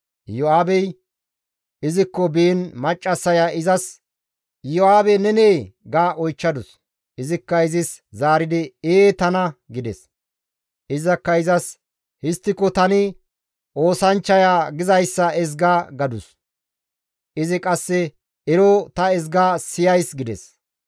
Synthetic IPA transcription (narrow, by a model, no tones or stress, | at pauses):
jɔaːbɛj | ɪzɪkːɔbiːnmɐt͡ʃʼːɐsːɐjaːʔɪzɐs | jɔaːbɛnɛneːɡaːʔɔjt͡ʃːɐd̪ʊs | ʔɪzɪkːɐɪzɪszaːɾɪd̪ɪeːt̪ɐnɐɡɪd̪ɛs | ʔɪzɐkːɐɪzɐs | hɪst̪ːɪkːɔt̪ɐnɪ | ʔo̞ːsɐnt͡ʃːɐjaːɡɪzɐjsːɐɛz̬ɡaːɡɐd̪ʊs | ʔɪzɪkʼɐsːɛ | ɛɾot̪ɐɛzɡaːsɪjɐjsɡɪd̪ɛ̰s